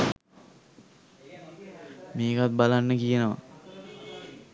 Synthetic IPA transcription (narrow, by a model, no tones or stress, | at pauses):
meːkat̪̚balanːəkijənəʋa̰